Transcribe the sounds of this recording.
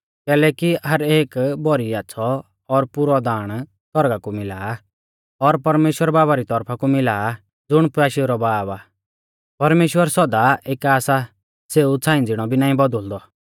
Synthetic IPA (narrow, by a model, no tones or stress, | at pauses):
kɛːlɛkiɦɐɾeːkbɔɾiasʰɔ | ɔɾpʊɾɔd̪aːɽ̃ | sɔɾɡakumɪlaː | ɔɾpɐɾmeːʃwəɾbaːβaɾit̪ɔɾpʰakumɪlaː | d͡zʊɽ̃paːʃiɾɔbaːbaː | pɐɾmeːʃwəɾsɔd̪aʔeːkaːsa | seːut͡sʰãːɪ̃nd͡zɪɽ̃ɔbʱinãːĩbɔd̪əld̪ɔ